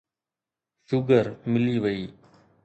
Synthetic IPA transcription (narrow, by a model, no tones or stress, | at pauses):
ʃʊɡəɾmɪliːʋəiː